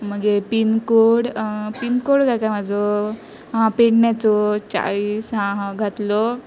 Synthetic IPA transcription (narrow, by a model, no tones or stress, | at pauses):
məɡepinkoɽpinkoɽɡajkajmad͡zɔ | ɦãpeɽnjat͡sɔt͡ɕa̰ɭiːsɦãɦãɡʱat̪lɔ